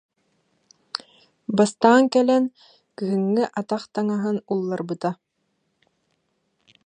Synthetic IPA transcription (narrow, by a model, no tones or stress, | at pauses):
bast̪aːŋkɛlɛn | kyɦɯŋːɘʔat̪aχt̪aŋaɦɯnulˠːaɾbɯt̪a